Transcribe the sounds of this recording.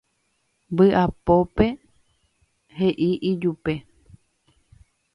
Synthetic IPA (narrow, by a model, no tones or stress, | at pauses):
mbɨʔapo̞pe̞ | he̞ʔiʔid͡ʒupe̞